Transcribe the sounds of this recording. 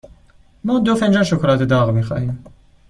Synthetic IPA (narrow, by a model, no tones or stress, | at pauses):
mɔːd̪ofænd͡ʒɑːnʃokʰolɑːt̪ʰed̪ɒːɣmiːxɑ̰ːhiːm